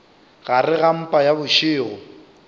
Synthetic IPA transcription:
ɣarɪɣam̩pʼajabʊʃɪːɣʊ

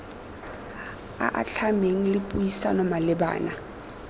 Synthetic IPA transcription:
a̰ʔa̰t͡ɬʰameŋ̩lɪpʼuisa̰nɔmalɪba̰ːna

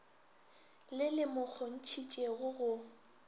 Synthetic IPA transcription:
lɪlɪmʊk͡xʰɔn̩t͡ʃʰit͡ʃʼeɣʊɣʊ

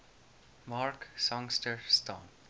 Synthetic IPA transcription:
maːɾksɔ̃ŋsʈəɾstɔ̰̃ŋ

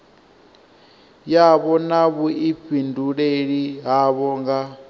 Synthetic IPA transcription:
jaβɔnaβuiɸʰinduɺeɺiɦaβɔŋɡa

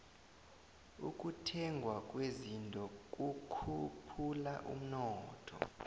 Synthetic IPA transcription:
uk̬ʼutʰɛŋɡʱwak̬ʼwezintʼɔk̬ʼukʰupʰulaʔṵm̩nɔːtʰɔ̰

